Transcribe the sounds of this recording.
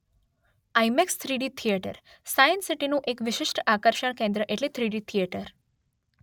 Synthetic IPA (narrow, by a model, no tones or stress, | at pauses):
ajmekst̪ʰɾiɖit̪ʰijeʈə̰ɾ | sajənsiʈinũʔekʋɪʃɪʃʈakəɾʃəɳkẽnd̪ɾəʔeʈlet̪ʰɾiɽit̪ʰijeʈəɾ